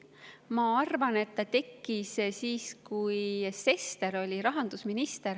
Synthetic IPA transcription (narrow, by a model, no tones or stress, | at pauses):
mɑɑrvɑne̞t̪ːɑt̪e̞kːˑissiːskujse̞st̪e̞ɾo̞lʲiɾɑɦɑnd̪̥usminist̪eɾ